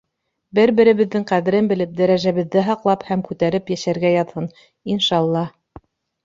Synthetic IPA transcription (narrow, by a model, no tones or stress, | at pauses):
bɘɾbɘ̆ɾɘ̆βɘ̆ðːɘŋqæðɘ̆ɾɘnbɘ̆lɘp̚d̪æɾæʒæβɘ̆ðːɘɦɑqlˠɑphæmkʉt̪æɾɘpjæʃæɾɡæjɑðhɤn | inʃɑlˠːɑh